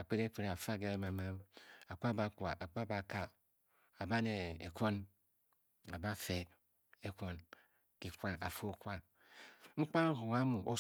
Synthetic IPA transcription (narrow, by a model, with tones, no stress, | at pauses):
a˨k͡pe˦ɾe˦k͡pe˦ɾe˨a˨fa˦ɡe˦e˦ma˨ma˦ma˨kʷa˦ba˦kwa˨ʔa˨k͡pa˦ba˨ka˦ | a˨ba˦ne˨ḛ˨kʷo˦n | a˨ba˦fe˨ | e˦ko˦n | ki˨kʷa˦a˨fo˦kwa˦ | ŋ͡m̩˦k͡pa˦hu˨ŋa˦mu˨ʔo˦